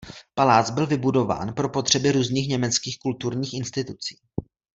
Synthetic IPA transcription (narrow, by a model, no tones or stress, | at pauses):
palaːt͡sbɪlvɪbudo̞va̰ːnpɾopo̞t̪r̝̥ɛbɪɾuːzɲiːxɲɛmɛt͡skiːxkult̪uɾɲiːxɪnst̪ɪt̪ut͡si̥ː